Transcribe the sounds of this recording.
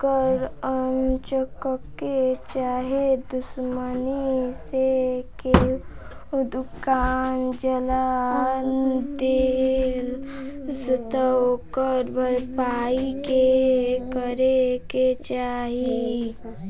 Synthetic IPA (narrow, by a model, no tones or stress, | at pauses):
kəɾənt͡ʃəkəkːet͡ʃaːɦed̪ʊsməniseke | d̪ukaːnd͡ʒəland̪elsət̪əokəɾbəɾpaːikekəɾeket͡ʃaːɦi